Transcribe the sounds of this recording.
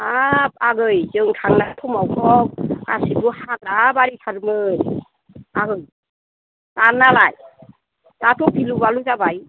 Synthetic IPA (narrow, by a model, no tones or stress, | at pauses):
ap̚aɡɯjzɯŋtʰaŋnatʰɔmawkʰɔk̚a̰sibɯhaɡɾabaɾikʰaɾmɯj | aɡɯj | analaj | zatʰɔk̚pʰilubaluzabaj